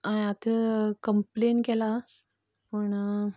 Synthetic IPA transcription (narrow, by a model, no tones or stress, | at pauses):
ãjat̪ʰəkəmplenkɛla | pəɳ